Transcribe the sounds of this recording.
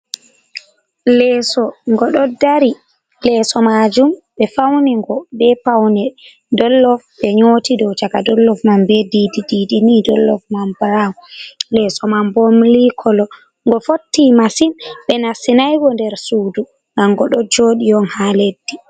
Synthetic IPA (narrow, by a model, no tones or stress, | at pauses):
lɛːsɔŋɡɔɗɔdaɾi | lɛsɔmad͡ʒumɓɛfawniŋɡɔbɛpawnɛ | dɔlːɔfɓɛɲotidɔwt͡ʃakadɔlːɔfmambɛdidididinidɔlːɔfmambɾamlɛsɔmambomlikʰɔlɔ | ŋɡɔfotːimasinɓɛnasinajɡɔndɛɾsuːdu | ŋɡaŋɡɔɗɔd͡ʒoːɗijɔnhaledːi